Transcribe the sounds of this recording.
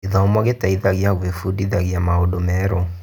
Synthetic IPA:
iðaomwaɣetaiðaɣjaɣwefudiðaɣjamaodomɛɾɔ

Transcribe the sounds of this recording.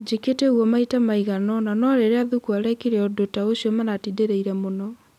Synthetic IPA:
d͡ʒeketeoɣwɔmaitamaiɣanɔnanɔɾeɾeaðukuaɾɛkiɾeɔdotaoɕjɔmanatideɾeiɾɛmonɔ

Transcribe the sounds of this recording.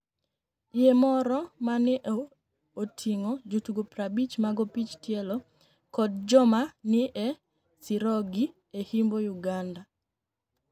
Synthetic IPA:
jemɔɾɔmanɪʔ | otʰiŋod͡ʒutuɡopɾabit͡ʃmaɡopit͡ʃtjelɔ | kɔd̚d͡ʒɔmanɪʔɛ | siɾɔɡi | ehimbojuɡanda

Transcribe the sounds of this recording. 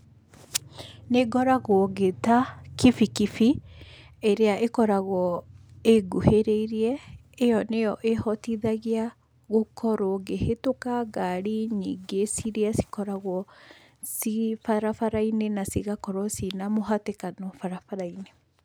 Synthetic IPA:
neɡɔɾaɣwɔɣetakifikifi | eɾeaʔekɔɾaɣwɔeɡuheɾeiɾiɛː | jɔnejɔʔehɔtiðaɣia | ɣokʰɔɾɔɣehetokaɡaɾiɲḭɡesiɾeasi̥kɔɾaɣwɔ | sifaɾafaɾainenasiɣakɔɾwɔsinamoɦatekanɔfaɾafaɾaine

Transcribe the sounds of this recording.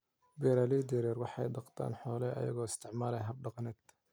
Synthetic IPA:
bɛɾalid̪ɛɾɛrwɑħɑ̰jɖɑqt̪ʰa̰ːnħɔːlɛʔɐ̰jɐ̰ɣɔːɪst̪ʰɪʕmaːlɛjɦɐb̚ɖɑqnɛːd̪̥

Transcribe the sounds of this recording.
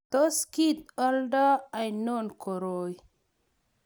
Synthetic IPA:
t̪oskit̪̚ɔldaajnonkʰoɾoj

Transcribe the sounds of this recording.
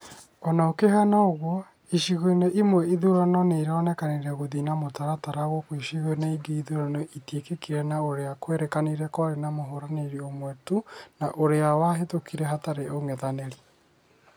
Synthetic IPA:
ɔnaokehanaoɣwɔ | iʃiɣoineʔimwɛiðuɾanɔneiɾɔnɛkaneɾɛɣoðinamotaɾataɾaɣɔkwiʃiɣoenaiɡeiðuɾanɔʔitiekekiɾɛnaoɾeakweɾekaneɾɛkɔɾenamoɦoɾaneɾiomwɛtunaʔoɾeawaɦetokiɾɛɦataɾeʔoŋɛðaneɾi

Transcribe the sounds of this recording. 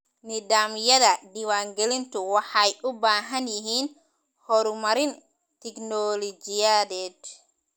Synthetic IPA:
nɪdaːmjɐðɐɖɪwaːŋɡɛlɪnt̪ʰʊwɑħɑjʔʊbaːɦɐnjɪɦiːn | hɔɾmɐɾɪn | t̪ʰɛknɔlɔd͡ʒɪjaðɛːd̪

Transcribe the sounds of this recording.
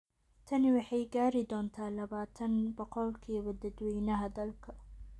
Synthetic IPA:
t̪ʰɐnɪwɑħɑjɡaːɾɪd̪ɔːnt̪ʰaːlɐβaːt̪ʰɐnbɔqɔlkʰiːwɐd̪ɐd̪wiːnɐɦɐd̪ɐlkʰɐ

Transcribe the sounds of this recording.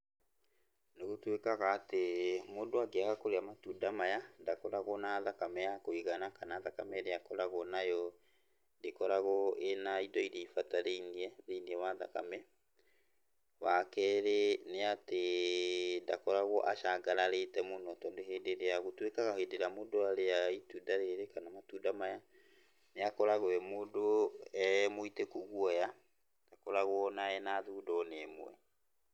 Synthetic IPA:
neɣotwekaɣaːtemodoaɡeaɣakoɾeamatudamajandakɔɾaɣɔnaðakamɛjakoiɣanakanaðaka̰mɛɾeakɔɾaɣɔnajɔ | ndekɔɾaɣɔenaidɔiɾeifataɾeiniɛɾeniɛwaða̰ka̰mɛ | wakɛɾeneate | ndakɔɾaɣwɔʔaʃaɡaɾaɾetɛmonɔtɔːndoɦedeɾeaɣotwekaɣahedeɾamodoaɾeaitudaɾeɾekanamatudamaja | neakɔɾaɣoɛmodoɛmoitekoɣwɔja | d̥akɔɾaɣwɔːnaɛnaðuːdɔnemw̰ɛ̰

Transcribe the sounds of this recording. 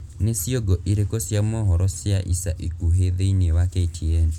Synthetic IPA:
nesiɔɡɔʔiɾekɔsiamɔɦɔɾɔsiaʔisaʔikuɦeðeinewakeitʰien

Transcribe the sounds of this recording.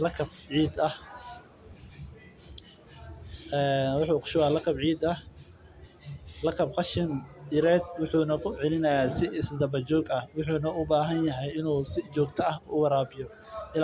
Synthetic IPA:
lɐkʰɐb̚ʕiːd̪ɐh | ɛːnwʊħuːqʰʊ̥ʃʊwaːlɐkʰɐbʕiːd̪ɐh | lɐkʰɐb̚qɑʃɪnɪɾɛːd̪wʊħuːnɐkʰʊʕɪlɪnɐjaːsɪʔɪsd̪ɐbɐt͡ʃɔːɡɐhwʊħuːnɐʊbaːɦɐnjɐɦɛjɪnuːsɪt͡ʃɔːɡt̪ʰɐɐhːwɑɾaːbɪjɔ | ʔɪl

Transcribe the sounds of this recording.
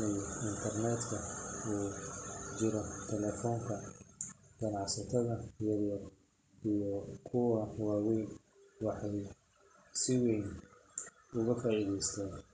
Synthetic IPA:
nɛjɪnt̪ʰɐrnɛːd̪kʰɐuː | t͡ʃɪɾɔt̪ʰɛlɛːfɔːŋkʰɐ | ɡ̥ɐnɑʕsɐt̪ʰɐðɐjɐɾjɐr | ijɔkʰʊwɐwaːwɛjn | wɑħɑj | sɪwɛːn | ʊɣɐfaːʔiːðɛjst̪ʰɛːn

